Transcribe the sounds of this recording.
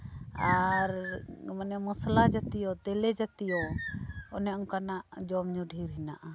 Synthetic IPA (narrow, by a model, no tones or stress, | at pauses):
aɾmanɛmɔslad͡ʒat̪ijɔt̪ɛlɛd͡ʒat̪ijɔ | ɔ̰nɛɔŋkanaʔd͡ʒɔmɲɔɖʱiɾɦinaʔa